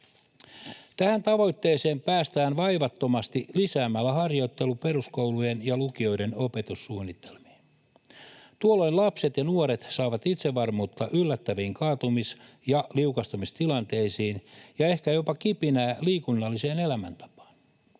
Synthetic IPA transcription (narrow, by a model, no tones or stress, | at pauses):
t̪æhænt̪ɑʋo̞jt̪ːeːse̞ːmpæːst̪æːnʋɑjʋɑt̪ːo̞mɑst̪ilisæːmælːæhɑrjo̞jt̪ːe̞lupe̞ɾusko̞uwlujenjɑlukio̞jde̞no̞pe̞t̪usːuːnːit̪ʰːe̞lmi̥ːn | t̪uolːo̞jnlɑpse̞t̪jɑnuoɾet̪sɑːʋɑt̪it̪seʋːɑrmuːt̪ːɑʔylːæt̪ːæʋiːŋkɑːt̪umis | jɑliukɑst̪umist̪ilɑnt̪e̞isiːnjɑe̞hkæjo̞pɑkipinæːliːkunːɑlːise̞ːne̞læmæ̰nt̪ɑ̥pɑ̥ːn